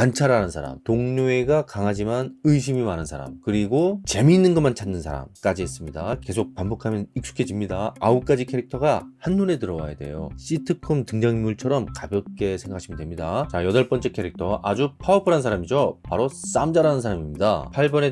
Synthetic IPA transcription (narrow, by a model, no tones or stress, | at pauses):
ant͡ɕʰaɾanɯnsʰaɾa̰mtoŋɲoe̞ɡakaŋɦad͡ʑimanɯiɕ̬ʰimimanɯnsʰaɾa̰mkɯɾiɡot͡ɕe̞miːnːɯnɡʌmant͡ɕʰanːɯnsʰaɾa̰mk͈ad͡ʑiɦes͈ɯmɲidake̞sʰok̚pambukʰamjʌnik̚s͈u̥kʰe̞d͡ʑimɲidaːuk͈ad͡ʑikʰe̞ɾik̚tʰʌɡahanːune̞tɯɾʌwa̰jade̞̰jo̰ɕ͈itʰɯkʰɯmtɯŋd͡ʑaŋimuɭt͡ɕʰʌɾʌmkabjʌk͈e̞sʰeŋɡakʰaɕʰimɯndwe̞mɲidat͡ɕajʌdʌɭp͈ʌnt͡ɕ͈e̞kʰe̞ɾik̚tʰʌʔad͡ʑupʰaʌpʰɯɾɦansʰaɾamid͡ʑopaɾos͈amd͡ʑaɾanɯnsʰaɾamimɲida̰pʰaɭbʌne